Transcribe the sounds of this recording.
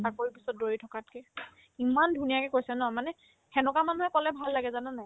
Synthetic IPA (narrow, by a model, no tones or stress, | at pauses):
akoɹipisɔt̚doɹitʰɔkat̚kɛ | imandʱunijakɛkojsɛnɔmanɛ | xɛnɔkamanuɦɛkɔlɛbʱalːaɡɛzananaj